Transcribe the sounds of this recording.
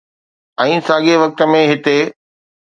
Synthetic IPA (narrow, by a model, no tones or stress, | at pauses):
ɛ̃ːsaːɠeʋɐk̚t̪ə̆mẽɦɪt̪e